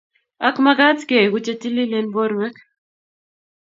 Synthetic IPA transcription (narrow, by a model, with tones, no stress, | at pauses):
a˦kma˦ɡa˦tke˨ɡu˦t͡ʃe˦ti˦li˦le˦nbo˦ɾwɛ˦k